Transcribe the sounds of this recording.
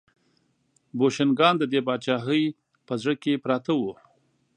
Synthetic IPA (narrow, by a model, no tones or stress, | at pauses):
boʃɪnɡɑnd̪əd̪ebɑd̪̚t͡ʃɑɦəj | pəzɽəkepɾɑt̪awu